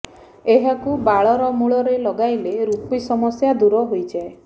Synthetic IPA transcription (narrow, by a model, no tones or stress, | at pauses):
eɦakubaɭɔɾɔmuɭɔɾelɔɡajleɾupisɔmɔsjad̪uɾɔɦojd͡ʒae